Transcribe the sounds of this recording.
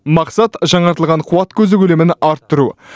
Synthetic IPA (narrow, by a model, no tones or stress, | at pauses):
mɑqsɑt̪ʒɑɴɑɾt̪əlˠʁɑɴqʰʊwɑt̪kʲʰɵzɪkʲʰʏlemɪnɑɾt̪ːəɾu